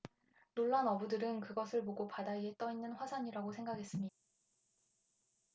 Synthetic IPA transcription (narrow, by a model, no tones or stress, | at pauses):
noɭːanʌbudɯɾɯnkɯɡʌsʰɯɭmoɡopadaiet͈ʌinːɯnɸwasʰaɲiɾaɡosʰe̞ŋɡaɡʰe̞s͈ɯmɲida